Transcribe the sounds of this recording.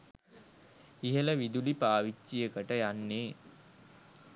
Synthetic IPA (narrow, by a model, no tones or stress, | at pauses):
iɦələʋid̪ulipaːʋit͡ʃːijəkəʈəjanːeː